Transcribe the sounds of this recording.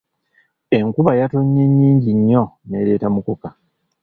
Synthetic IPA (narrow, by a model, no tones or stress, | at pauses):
e̞ŋkuβajato̞ɲːeɲːiːɲɟiɲːo̞ne̞ɾe̞ːtamukoka